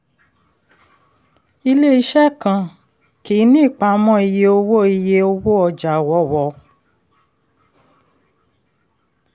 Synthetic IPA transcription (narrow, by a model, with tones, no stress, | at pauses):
i˧le˦i˧˦ʃɛ˦˨kã˧˨ | ki˨˦nĩ˦˨k͡pa˨˦mɔ̃˦i˧je˧o˧wo˦i˧je˧o˧wo˦ɔ˧d͡ʒa˨wɔ˧˦˨wɔ˧˦